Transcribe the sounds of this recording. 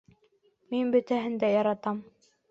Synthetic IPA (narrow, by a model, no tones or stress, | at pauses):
minbɵ̆t̪æɦɘ̆nd̪æjɑɾɑt̪ɑm